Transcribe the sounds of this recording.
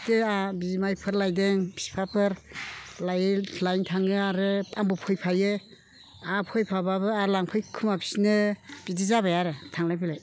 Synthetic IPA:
teabizimajpʰɯɾlajdeŋpʰi̥spʰapʰɯɾlajɯlajntʰaŋɯaɾɯpʼambɔpʰɔjpʰajɯ | apʰɔjpʰabaβɯalaŋpʰɯjkʰumapʰi̥snɯb̥idizabajaɾɯtʰaŋlajpʰilaj

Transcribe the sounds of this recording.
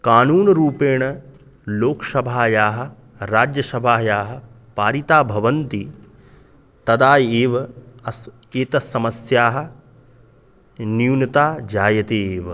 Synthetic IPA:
kaːnuːnɐɾuːpeːɳɐ | loːksɐbʱaːjaːɦɐ̆ | ɾaːd͡ʒjɐsɐbʱaːjaːɦɐ̆ | paːɾit̪aːbʱɐʋɐnt̪i | t̪ɐd̪aːjeːʋɐɐeːt̪ɐsːɐmɐsjaːɦɐ̆ | niunɐt̪aːd͡ʒaːjɐt̪eːʋɐ

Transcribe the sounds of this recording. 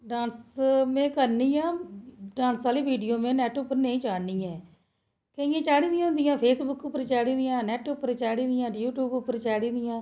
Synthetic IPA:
ɖaːnsmɛ̃ːkəɾniːãːɖaːnsaːliːʋiːɖijoːmẽːnɛːʈʊpəɾneːĩːt͡ʃaːɽniːɛ̃ː | keɪjẽːt͡ʃaːɽiːd̪ijãːnd̪ijãːpʰeːsbʊkʊpːəɾt͡ʃaːɽĩːd̪ɪjãːnɛːʈʊpːəɾt͡ʃaːɽiːd̪ɪjãːjuːʈjuːbʊpːəɾt͡ʃaːɽiːd̪ɪjãː

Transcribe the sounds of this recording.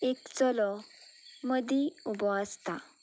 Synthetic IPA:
ekt͡sɔlɔ | məd̪ʱiubɔəst̪a

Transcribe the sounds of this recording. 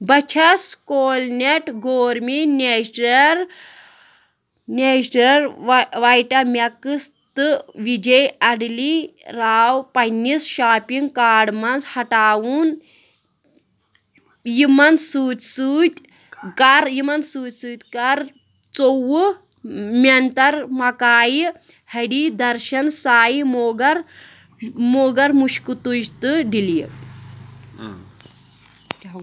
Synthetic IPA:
bɐt͡ʃʰɐskoːlneʈɡoːɾmineɐɾ | nʲeʃɾɐɾʋajʈɐmʲɐkɨst̪ɨʋid͡ʒɐjɐɽliɾaːwpɐnisʃaːpiŋɡkaːɖmɐnzhɐʈaːwuːn | jimɐnsuːt̪ʲsuːt̪ʲ | kɐɾjimɐnsuːt̪ʲsuːt̪ʲkɐɾ | t͡sow | mʲɐnt̪ɐɾmɐkaːji | hɐɽid̪ɐɾʃɐnsaːjimoɡɐɾ | moːɡɐɾmuʃkut̪ud͡ʒt̪ɨɖilii

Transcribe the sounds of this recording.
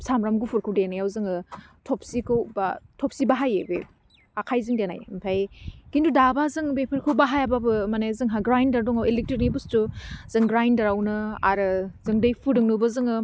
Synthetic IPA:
samɾamɡupʰɯɾkʰɯwdenajawzɯŋɯtʰɔp̚sikʰɯwba̰tʰɔp̚sibaɦajebḛ | akʰajzɯŋdena̰jmpʰajkindudabazɯŋbepʰɯɾkʰɯwbaɦajababɯmanezɯŋɦaɡɾajndaɾdɔŋawelek̚tinibustuzɯŋɡɾajndaɾawnɯa̰ɾɯzɯŋdajpʰudɯŋnubɐzɯŋɯ

